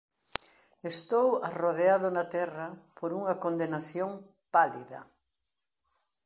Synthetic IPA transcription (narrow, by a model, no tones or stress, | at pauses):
est̪owaroðeaðʊnɐt̪ɛrɐpoɾuŋɐkond̪enaθjoŋ | palḭðɐ̰